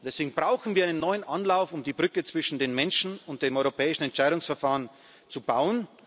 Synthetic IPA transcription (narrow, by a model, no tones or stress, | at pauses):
d̥ɛseːɡŋ̩bʁaʊxn̩viːɐaɪnənːɔʏənʔanlaʊfʊmdiːbʁʏkət͡sv̥ɪʃn̩deːnmɛnʃn̩ʊnt̚d̥eːmʔɔʏʁopʰɛːɪʃn̩ɛntt͡ʃaɪɾʊŋsfɛɐfaːʁən | t͡subaʊən